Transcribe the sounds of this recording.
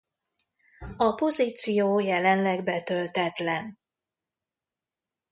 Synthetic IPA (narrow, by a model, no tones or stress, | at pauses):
ɒpo̞ziːt̪sijoːjɛlɛnlɛɡbɛt̪ølt̪ɛt̪lɛn